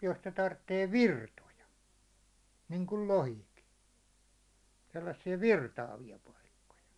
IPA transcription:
jos ne tɑrtːeː ʋirtojɑ niŋkul lohiki selːɑsːiɑ ʋirtɑːʋiɑ pɑikːojɑ

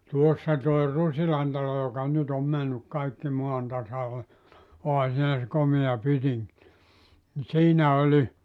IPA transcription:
tuosːɑ toi rusilɑn tɑlo jokɑ nyt om mænːyk kɑikːi moɑn tɑsɑle ohɑ siːnæ se komeɑ pytiŋk ni siːnæ olʲi

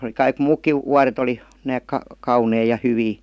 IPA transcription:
oli kɑik muːkːiʋ wuɑret oli næːk kɑ kɑunei jɑ hyʋiː

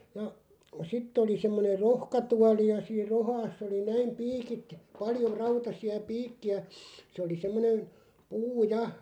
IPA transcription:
jɑ sitː oli semːoner̆ rohkɑtuɑli jɑ siːr rohɑːsː oli næim piːkit pɑljo rɑutɑsiɑ piːkːiæ se oli semːonen̞ puː jɑ

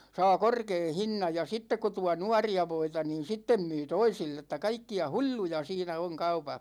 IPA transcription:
sɑː korkeː hinːɑj jɑ sitːek ko tuɑ nuɑriɑ ʋoitɑ niːn sitːem myː toisilː etˑæ kɑikːiɑ hu̟lʲːu̟jɑ siːnæ oŋ kɑupɑh

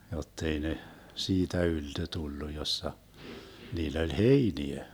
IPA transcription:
jotːei ne siːtæ yltø tulːu josːɑ niːlː olʲ heiniæ

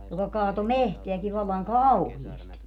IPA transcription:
jokɑ kɑːto mehteæki ʋɑlːɑŋ kɑuhiesti

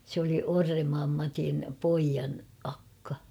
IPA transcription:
sĕ oli orːemːɑːm mɑtin poijɑn ɑkːɑ

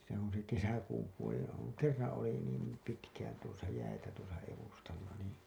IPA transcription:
se on̞ se kesækuːm puolelːɑ oŋ kerːɑn̞ oli niːm pitkæːn tuosɑ jæitæ tuosɑ eʋustɑlːɑ niː

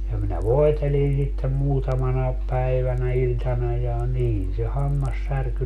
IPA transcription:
jɑ minæ ʋoetelin sitːem muːtɑmɑnɑep pæiʋænæ ilʲtɑnɑ jɑ niːn se hɑmːɑsːærky

